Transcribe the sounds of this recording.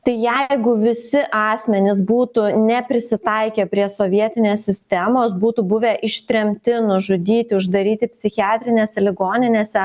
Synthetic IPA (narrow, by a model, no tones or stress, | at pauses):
t̪ɐɪjɛɪɡʊʋʲɪsʲɪʔɑːsʲmʲɛnʲɪsbuːt̪ʊnʲɛpʲɾʲɪsʲɪt̪ɐɪkʲeːpʲɾʲiɛsoːʋʲiɛt̪ʲɪnʲeːssʲɪsʲt̪ʲɛmoːsbuːt̪ʊbʊʋʲeːʔɪʃʲt̪ʲɾʲɛmʲt̪ʲɪnʊʒʊd̪ʲiːt̪ʲɪʊʒd̪ɐɾʲiːt̪ʲɪpʲsʲɪxʲɪɑːt̪ʲɾʲɪnʲeːsʲɛlʲɪɡoːnʲɪnʲeːsʲɛ